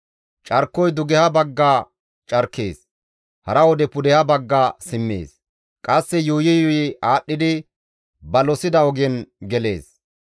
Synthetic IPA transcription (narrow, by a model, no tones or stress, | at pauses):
t͡ʃʼɐɾkːɔjd̪ʊɡɛhɐbɐɡːaː | t͡ʃʼɐɾkːḛːs | hɐɾɐwɔd̪ɛpʊd̪ɛhɐbɐɡːaːsɪmːḛːs | kʼɐsːɛjʊhʊjɪjɔjɪaːɗːɪd̪ɪ | bɐlɔsɪd̪ɐɔɡɛnɡɛle̞ːs